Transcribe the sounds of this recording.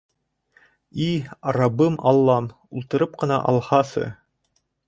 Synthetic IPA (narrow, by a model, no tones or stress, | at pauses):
iɑɾɑbɤmɑlˠːɑm | ulˠt̪ɤ̆ɾɤp̚qɤ̆nɑ̰ʔɑ̰lˠhɑsɤ̰